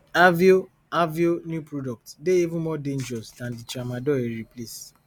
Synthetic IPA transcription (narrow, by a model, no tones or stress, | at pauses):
avio | avionjupɹodɔk̚tdeivũmɔdẽnd͡ʒɛɹɔsdãndit͡ʃamadɔɛɹiples